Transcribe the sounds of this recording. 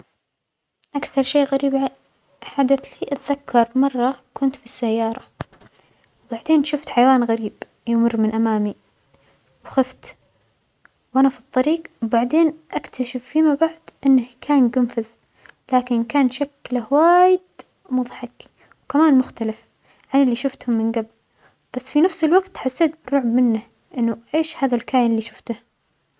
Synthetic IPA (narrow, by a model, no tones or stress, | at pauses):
ʔakθɑɾˤʃeːɣaɾiːb | ħad̪aθliːʔat̪ðakʰːɑɾˤmɑrˤːɑkʊnt̪fisːajːɑːɾˤɑ | wbaʕd̪eːnʃʊft̪ħajawaːnɣaɾiːb | jɪmʊrːmɪnʔamaːmi | wxɪft̪ | wʔanafi̥t̪ˤːɑɾiːqwbaʕd̪eːnʔakt̪ʰaʃɪfːimabaʕd̪ʔɪnːahkʰaːnɡʊmfað | laːkɪnkaːnʃaklahwaːjɪd̪ | mʊðˤħɑk | wkamaːnmʊxt̪alɪf | ʕanɪlːiʃʊft̪hʊmːɪnɡabl | b̥asːfinafsɪlwaɡt̪ħasːeːt̪̚bɪrːʊʕbmɪnːah | ʔɪnːʊʔeːʃhaːðalkaːjɪnɪlːiʃʊft̪ah